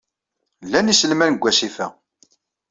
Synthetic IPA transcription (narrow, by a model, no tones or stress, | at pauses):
lːænisəlmænəɡʷːæsifæ